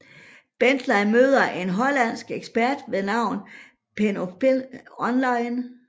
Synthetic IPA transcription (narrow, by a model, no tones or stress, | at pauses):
b̥end̥lɑmø̰ːð̞ˠɐʔe̝nɦɒ̽læn̰sɡ̥eɡ̥sb̥æɐ̰d̥ʋe̝nɑ̈ʊ̰n | pʰenopeɒnlɑ̈ɪn